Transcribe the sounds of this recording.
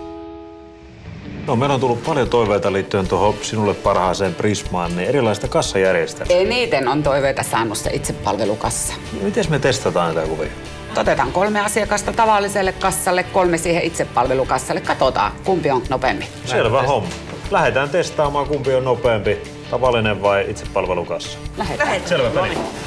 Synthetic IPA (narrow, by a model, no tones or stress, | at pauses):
nomeˑilont̪ulːuppɑljot̪oˑiʋeˑit̪ɑliːt̪ːyønt̪uohosinulːeppɑrhɑˑːseːmprismˑɑːnniːerilːˑɑˑist̪ɑkɑsːɑjærjest̪æeˑiniːt̪enont̪oˑiʋeˑit̪ɑsɑ̰ːnussḛʔit̪seppɑ̰lʋelukɑsːɑ̥ | mit̪esmet̪est̪ɑt̪ɑːnnit̪ækuʋḭ | t̪ot̪et̪ɑŋkolmeɑsiɑkɑst̪ɑt̪ɑʋɑlːˑiselːekkɑsːɑlːekkolmesiːheʔʔit̪seppɑlʋelukɑsːɑlːekkɑt̪ot̪ɑ̰ːkumpioŋk̪nopempi | selʋæhomːɑ | læhet̪æːnt̪est̪ɑːmɑːkumpionnopeːmpi | t̪ɑʋɑlːˑineʋʋɑˑiʔit̪seppɑlʋelukɑsːɑ̥læheeselæn